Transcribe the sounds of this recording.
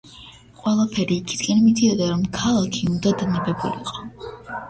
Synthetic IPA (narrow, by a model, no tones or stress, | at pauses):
qʼwɛlˠapʰɛɾiːkʰi̥d̪̥ɡɛnmid̪iɔd̪aɾɔmkʰalˠakʰiund̪ad̪anabɛbṵlḭqʼɔ̥